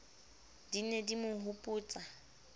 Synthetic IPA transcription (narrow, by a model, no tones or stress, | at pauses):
dinedimʊhʊpʼʊːt͡sʼa